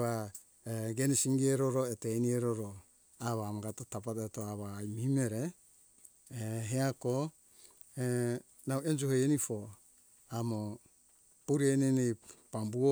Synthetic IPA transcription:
a | eɡenisiŋɡieɾoɾoetenieɾoɾo | aβamoɡatotapatetoaβaːjmihimeɾe | ɦeako | e | nawend͡ʒuɦejenifo | amo | puɾienenejpambuo

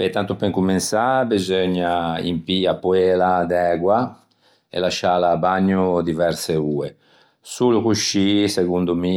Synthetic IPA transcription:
et̪ːant̪upɛŋkuminsabizøɲːaḭmpiapːuɛːlad̪ɛːɡwa | ɛ̰laʃaːlaːbaɲːud̪ivɛɾseuːe | sulukuʃːiseɡund̪umi

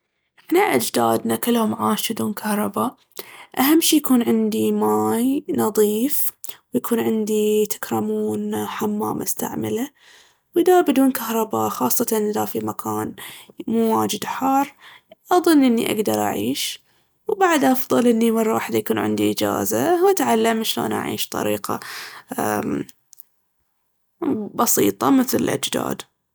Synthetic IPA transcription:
ʔnaʔad͡ʒd̪aːd̪nakɪlːhʊmʕaːʃɪd̪uːnkʰahɾˤɑba | ʔahamːʃiːjakuːnʕɪnd̪imaːjnɑðˤiːfwjakʰuːnʕɪnd̪it̪ʰḁkɾˤɑmuːnħamːa̰ːmʔast̪a̰ʕma̰la | wɪd̪abɪd̪uːnkahɾˤɑbaxɑːsˤːɑt̪anʔɪðafimakʰaːnmuːwaːd͡ʒɪd̪ħɑrˤː | ʔɑðˤɨnːʔɪnːḭʔa̰ɡd̪ɑɾˤʔa̰ʕiːʃ | wbaʕd̪ʔɑfðˤɑlʔɪnːimɑrˤːɑwa̰ːħd̪ajakuːnʕɪ̰nd̪iʔɪd͡ʒa̰ːzawat̪ʕalːamʃlo̰ːnʔa̰ʕḭːʃt̪ˤɑ̰ɾiːqɑ̰ | bɑsḭːt̪ˤɑmɪθlɪ̰lʔa̰d͡ʒd̪a̰ːd̪

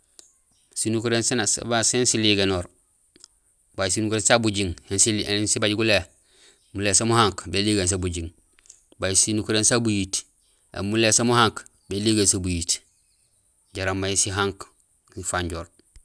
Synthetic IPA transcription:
sinukuɾensnsbasensiliːɡenoːɾ | bajisinukɾeːnsabuɟiŋhensiensibaɟɡule | mulesamuhaŋkbeliɡens̬abuɟiŋ | bajisinukuɾensabujiːt | ḛmuleːsamuhaŋk | beliːɡensabujiːt | ɟaɾambajisiɦaŋk | ifaɲɟoːɾ

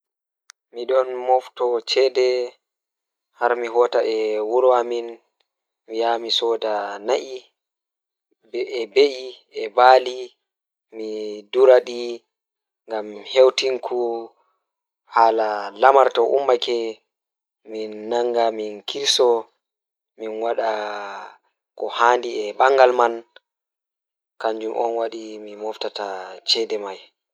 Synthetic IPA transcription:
miɗɔnmɔftɔt͡ʃɛdɛ | haɾmiɦɔːtaʔɛwuɾɔamin | mijamisɔːdanaʔi | bɛbeʔi | ɛbaːli | miduɾaɗi | ŋɡamhewtiŋkʰu | halalamaɾtɔʔṵmːakɛ | minːaŋɡaminkʰiɾsɔ | minwaɗa | kɔhaːndiɛbaŋɡalman | kaɲd͡ʒumʔɔ̰nwaɗimimɔftatat͡ʃɛdɛmaj

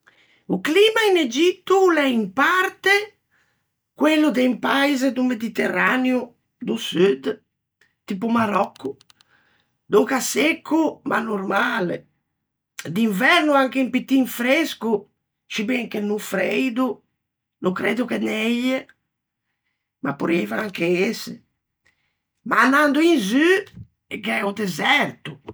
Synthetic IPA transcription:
ukliːmained͡ʒit̪ːulɛimpart̪e | kwelːud̪ɛimpajzed̪umed̪it̪erːanju | d̪usyd̪ | t̪ip̬umaɾɔkʰːu | d̪ukasekʰːuma̰nːurmaːlḛ | d̪iɱvɛɾnuaŋkeimpit̪ːiɱfɾesku | t͡ʃibɛŋkenufɾejd̪u | nukɾed̪ukenɛje | ma̰pːuɾɛvaaŋkeese | maːnːand̪uinzy | ekɛɛud̪ezɛrt̪u

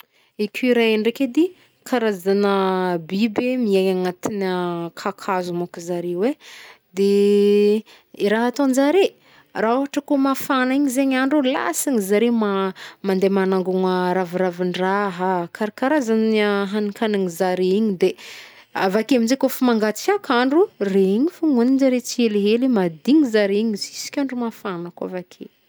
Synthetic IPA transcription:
ekʰʲuɾaeɳɖ͡ʐeked̪i | kʰaɾazanəbibemiaɲaŋat̪inakʰakʰazumakuzaɾewe | d̪e | iɾaɦat̪onzaɾe | raovaʈ͡ʂəkomafanaiɲizeɲaɳɖ͡ʐula̰saɲizaɾemamand̪emanaŋɡuŋəɾaviɾaviɳɖ͡ʐaɦakʰaɾakaɾazanaɦanikanaŋizaɾeiɲid̪e | avakeamind͡ʒekofamaŋɡat͡sakaɳɖ͡ʐureiɲifuŋuninzaɾet͡sieleɦelimad̪iŋizaɾeiɲizi̥si̥kʲaɳɖ͡ʐumafanəka̰vakʰḛ

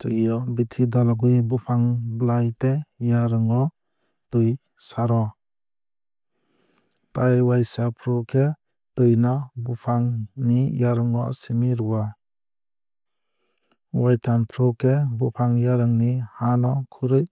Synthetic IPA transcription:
tɯjɔbitʰidɔlaɡɯjbupʰaŋblajtejaɾɯŋɔ | tɯj | saɾɔ | tajwajsapʰɾukʰe | tɯjnɔbupʰaŋnijaɾɯŋɔsimiɾuwa | wajtʰanpʰɾɔkʰebupʰaŋjaɾɯŋnihanɔkʰuɾɯj

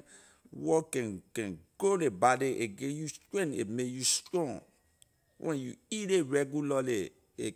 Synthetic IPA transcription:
wɔkɛ̃nkɛ̃nɡ̥olebadeʔeɡẽjustɹɛ̃nḛmekjustɹɔ̃ŋ | wʔɛ̃njṵiɾeɹɛɡulale | e

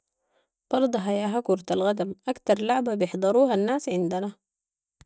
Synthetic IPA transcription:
b̥ɑɾˤd̪ˤɑɦajaːɦakuɾˤt̪alɣad̪amʔakt̪ɑɾˤlaʕbabijɪħd̪ˤɑɾuːɦanːaːsʕɪnd̪ana

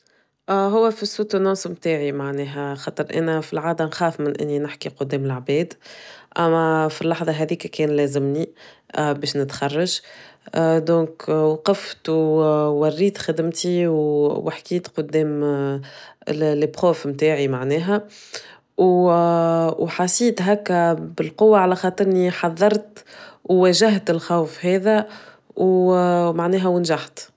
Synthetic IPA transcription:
ʔɦʊwːæfisːut̪ənɑ̃ːsmt̪aːʕimaʕnɛːɦæxɑːt̪ˤəɾʔæ̰ːnæfilʕaːd̪ænxaːfmɪnʔɪ̰nːinɪħkiqʊd̪ːɛːmɪlʕbɛːd̪ʔæmːæfilːɑħðˤɑɦɛðiːkækɛːnlæːzɪmni | bɛːʃnɪt̪xɑrˤːɑʒ | d̪õːkwɑqɑft̪wwærːiːt̪xad̪ɪmt̪iwwɪħkiːt̪qʊd̪ːɛːm | lebχoːfmt̪aːʕimaʕnɛːɦæ | w | wħasiːt̪ɦækːæbɪlqowːaʕalæxɑːt̪ˤɨɾɪniħɑðˤːɑɾˤt̪wwæːʒaɦt̪ɪlxawfɦɛːðæ | wmaʕnɛːɦæwənʒaħt̪

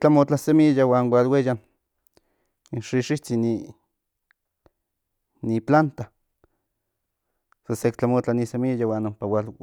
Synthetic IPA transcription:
t͡ɬamot͡ɬasemijawaːnwalwejan | nʃiʃiht͡sini | niplant̪a | sasekt͡ɬamot͡ɬanisemijawaːnompawal

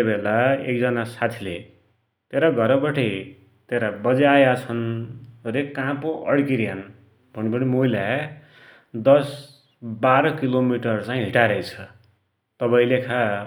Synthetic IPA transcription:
t̪ebelaḛk̚d͡zʌnasat̪ʰile | t̪eɾaɡʱʌɾʌbʌʈej | t̪eɾabʌd͡zajat͡sʰʌnoɾekãpoʔʌ̰ɽkiɾijan | bʱʌnipʌnimoilja | d̪ʌs | baɾʌkilomiʈʌrt͡sãĩɦiʈaɾʌjt͡sʰʌ̥ | t̪ʌbaĩlekʰa

